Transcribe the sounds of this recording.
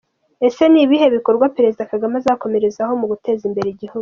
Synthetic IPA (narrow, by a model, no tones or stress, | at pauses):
e̞se̞niβiɦe̞βiko̞ɾɡwapeɾe̞zidakaɡamazako̞me̞ɾe̞zaho̞muɡute̞ːzimbe̞ɾeiɟihuɡu